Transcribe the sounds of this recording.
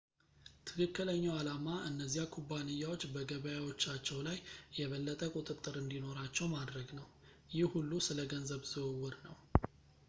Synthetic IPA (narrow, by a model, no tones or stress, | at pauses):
t̪ʰɨkʰɨkːɨləɲːawalamaʔɨnːəzːijakʰubːanɨjːawo̞t͡ʃːbəɡəβəjawo̞t͡ʃːat͡ʃːɛwlajjɛβəlːət̪ʼəkʼʊt̪ʼɨt̪ʼːɨɾɨnd̪ino̞ɾat͡ʃːɛwmad̪ɾəɡnəw | jɪhhulːusɨləɡənzəβz̥ɨwwːɨɾnəw